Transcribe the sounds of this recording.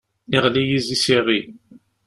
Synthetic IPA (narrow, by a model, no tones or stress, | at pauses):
iʁlijizisiʁi